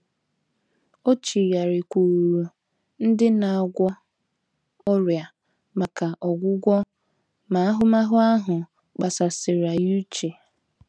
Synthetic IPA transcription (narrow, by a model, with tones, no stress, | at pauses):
o˦t͡ʃi˨ɾja˨ɾɪ˨kʷu˨ɾu˨ | n̩˦dɪ˦na˨a˨ɡʷɔ˦ | ɔ˦ɾja˨ | ma˨ka˨ʔɔ˨ɡʷʊ˦ɡʷɔ˦ | ma˨a˦ɦʊ˦ma˦ɦʊ˦a˦ɦʊ˨ | k͡pa˨sa˨sɪ˨ɾa˨ju˦t͡ʃe˨